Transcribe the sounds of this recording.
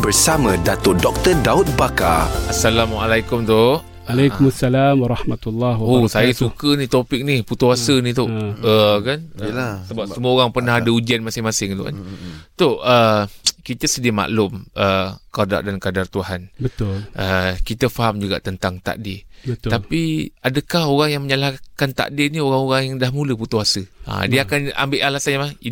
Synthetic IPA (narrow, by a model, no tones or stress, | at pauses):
bərsamãdat̪odɔk̚t̪ərdaut̪̚baka̰asalamʔalajkʊmt̪o | alajkumasːalamwaɾˤɑhmat̪ulːɑosajəsukənit̪opɪk̚niput̪uasənit̪ʊəkansəbap̚səmuəoɾaŋpərnahadəud͡ʒanmasɪŋmasɪŋt̪ṵka̰nt̪oʔəkit̪əsədiəma̰ʔlʊmʔəkada̰rdankadart̪uɦanət̪ʊlʔəkit̪əfaɦamd͡ʒuɡa̰ʔt̪ənt̪aŋt̪a̰ʔdɪət̪apiadəkahoɾaŋjaŋməɲəlakant̪a̰ʔdinioɾaŋoɣaŋjaŋdahmuləput̪uasəʔa̰diakana̰mbɪʔalasanjamai